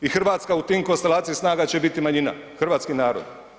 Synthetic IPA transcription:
ixrʋaːt̪skaut̪iːmko̞nst̪elaːt̪sijisnaːɡat͡ɕe̞bit̪imaɲina̰xr̩ʋaːt̪skinaːɾo̰d̪

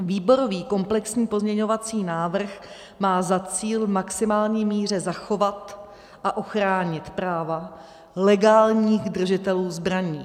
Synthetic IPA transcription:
viːbo̞ɾo̞viːko̞mplɛksɲiːpo̞zɲɛɲo̞vat͡siːnaːvr̩x | maːzat͡siːlmaksɪmaːlɲiːmiːr̝ɛzaxo̞vat̪ | ʔaʔo̞xɾaːɲɪt̪pɾaːva | lɛɡaːlɲiːxd̪r̩ʒɪt̪ɛluːzbɾaɲiː

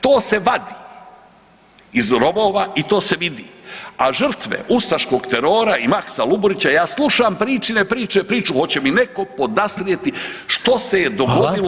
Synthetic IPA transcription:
t̪oːse̞ʋad̪i | izɾo̞bo̞ːʋait̪o̞ːse̞ʋid̪ḭːaʒr̩t̪ʋḛʔusaʃko̞ːɡt̪eɾoːɾaimaksaluboɾit͡ɕajaːslˠuʃampɾiːt͡ʃinepɾiːt͡ʃepɾiːt͡ʃuho̞t͡ɕe̞mine̞ko̞po̞d̪asɾijet̪iʃt̪o̞se̞jed̪o̞ɡod̪ilo

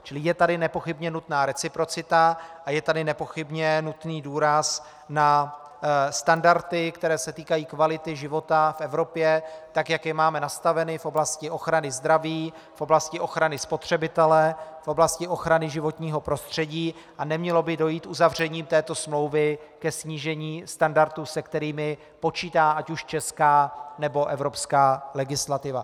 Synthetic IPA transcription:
t͡ʃɪlɪjɛt̪adɪnɛpo̞xɪbɲɛnut̪naːɾɛt͡sɪpɾo̞t͡sɪt̪aʔajɛt̪adɪnɛpo̞xɪbɲɛnut̪niːduːɾas | na | st̪andaɾt̪ɪkt̪ɛɾɛːsɛt̪iːkajiːkvalɪt̪ɪʒɪvo̞t̪afʔɛvɾo̞pjɛt̪akjakjɛmaːmɛnast̪avɛnɪfʔo̞blascɪʔo̞xɾanɪzd̪ɾaviː | fʔo̞blascɪʔo̞xɾanɪspo̞t̪r̝̥ɛbɪt̪ɛlɛfʔo̞blascɪʔo̞xɾanɪʒɪvo̞t̪ɲiːɦo̞pɾo̞st̪r̝̥ɛɟiː | ʔanɛmɲɛlo̞bɪdo̞jiːt̪ʔuzavr̝ɛɲiːmt̪ɛːt̪o̞smlo̞wvɪkɛsɲiːʒɛɲiːst̪andaɾt̪usɛkt̪ɛɾiːmɪ | po̞t͡ʃiːt̪aːʔacuʃt͡ʃɛskaːnɛbo̞ʔɛvɾopskaːlɛɡɪslat̪ɪva

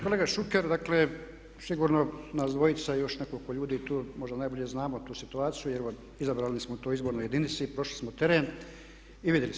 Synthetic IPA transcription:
ko̞leːɡaʃukeɾd̪aːkle̞ | siɡuːɾnonazd̪ʋo̞jit̪sajo̞ʃne̞kolkoʎuːd̪iːt̪uːmo̞ʒd̪anajbo̞ʎe̞znaːmot̪uːsit̪uaːt̪sijujeɾo | izabɾaːlnismout̪o̞jizboɾnoje̞d̪init̪sipɾo̞ʃlismot̪e̞ɾen | iʋid̪jelis

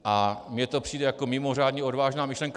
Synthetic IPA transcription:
ʔamɲɛt̪o̞pr̥iːdɛjakomɪmor̝aːdɲɛo̞dvaːʒnaːmɪʃlɛŋk

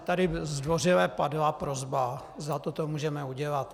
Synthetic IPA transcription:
t̪adɪzdvo̞rɪlɛːpadlapɾozba | zd̪at̪ot̪omuːʒɛmɛuɟɛlat̪

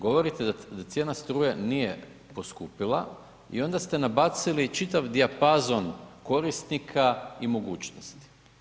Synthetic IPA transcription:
ɡo̞ʋo̞ɾit̪ed̪at̪sje̞ːnast̪ɾuːjenije̞ | po̞skupilˠa̰ | ḭo̞nd̪ast̪e̞nabat̪silit͡ʃit̪aʋd̪iapazo̞nko̞ɾist̪nikʰaimo̞ɡuːt͡ɕnost̪i̥

